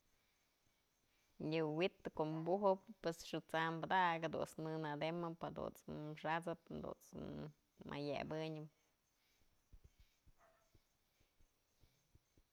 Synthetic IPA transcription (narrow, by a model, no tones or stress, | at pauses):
ɲɨwit̪ːɨkoʔmbuɦɨpːesʂɨt͡sambɨd̪aked̪ṵt͡snɨnad̪emɨphad̪ṵnt͡sʂat͡sɨp̚nd̪ṵnt͡s | mʔa̰jḛbɨɲɨm